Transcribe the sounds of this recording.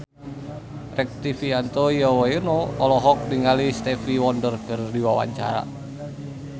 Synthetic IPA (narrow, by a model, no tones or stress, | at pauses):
rɛk̚t̪ifiant̪ojawajɛnɔɔlɔɦɔk̚diŋalist̪ɛfiwɔndərɡərdiwawa̰ɲt͡ʃa̰ɾa̰